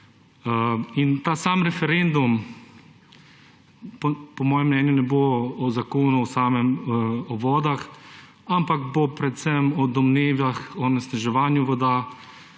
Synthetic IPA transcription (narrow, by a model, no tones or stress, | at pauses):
int̪aːsaːmɾɛfɛɾend̪um | ppɔmɔːjɛmnɛːnjunɛboɔzakoːnuwsaːmɛmɔʋɔːd̪ax | ampakbopɾɛt̪sɛmɔd̪ɔmneːʋjaxɔnɛsnaʒɛʋaːnjuʋɔd̪a